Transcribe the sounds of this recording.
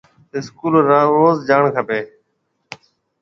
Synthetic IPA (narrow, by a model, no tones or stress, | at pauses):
ɪskuːlɾaːoːzd͡ʒaːɳkʰəpeː